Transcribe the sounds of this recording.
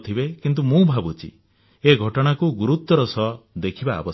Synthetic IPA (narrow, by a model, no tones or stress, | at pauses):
t̪ʰibekint̪̬umũbʱabut͡ʃʰḭ | eɡʱɔʈɔɽ̃akuɡuɾut̪ːɔɾɔsɔd̪ekʰiba̰ːbɔ